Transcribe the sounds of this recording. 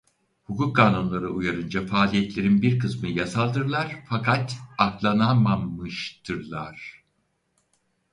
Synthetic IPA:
hukuk̚ːaːnunlˠaɾɯujaɾɯnd͡ʒafaːlʲijɛt̪lʲe̞ɾinbiɾkʰɯsmɯjasalˠd̪ɯɾlˠaɾ̥fakʰat̪aklˠanamamɯʃt̪ʰɯɾlˠaɾ̥

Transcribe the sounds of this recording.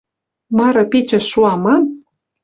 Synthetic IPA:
mɑɾɤ̆pet͡ɕə̆ʃːuɑmɑn

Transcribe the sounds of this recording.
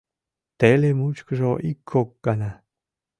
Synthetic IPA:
t̪elemut͡ʃkəʐoʔikʰːok̚ːana

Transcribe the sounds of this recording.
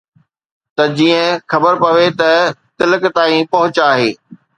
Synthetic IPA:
t̪ɐd͡ʑiːə̃xɐbəɾpɐʋet̪ɐt̪ɪlək̆t̪aːĩpɐɦʊt͡ɕaːɦeː

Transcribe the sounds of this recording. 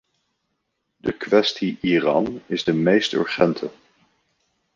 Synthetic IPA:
dəkʋɛstiʔirɑ̰nɪzdəmejstɵ̰ɹχɛntʰə

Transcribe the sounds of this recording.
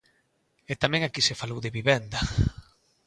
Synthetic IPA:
et̪amɛ̃ŋakisefalowðeβiβɛnd̪ɐ

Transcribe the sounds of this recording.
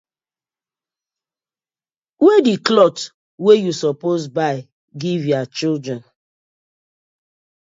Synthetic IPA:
wediklɔt | wejusɔpozbaɪ | ɡivjat͡ʃildɾɛ̃n

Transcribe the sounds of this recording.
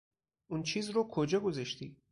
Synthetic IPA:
ʔunt͡ʃʰiːzɾokʰod͡ʒɒːɡozeʃt̪i

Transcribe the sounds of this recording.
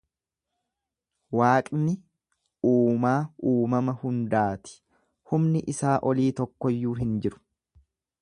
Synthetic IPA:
waːkʼnɪ | uːmaːʔuːmɐmɐhʊnd̪aːt̪ɪ̥ | hʊmnɪʔɪsaːʔɔliːt̪ɔkːɔjːuːɦɪnd͡ʒɪɾʊ̥

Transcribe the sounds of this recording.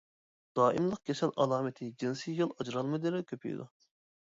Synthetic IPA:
d̪̥ɑːʔimlˠəq̚kʲʰesɛlʔɑlˠɑːmɪt̪ʰɪd͡ʒinsijjolˠɑd͡ʒɾɑlˠmɨd̪elɛkʲʰøpʰy̰jd̪ṵ

